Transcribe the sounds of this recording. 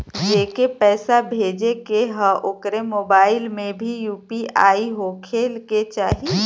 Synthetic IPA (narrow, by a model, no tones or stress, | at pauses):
d͡ʒeːkepɛːsabʱeːd͡ʒekeɦəʔʊkɾemoːbaːɪlmẽbʱijuːpiaːiɦokʰeːlket͡ʃaːɦi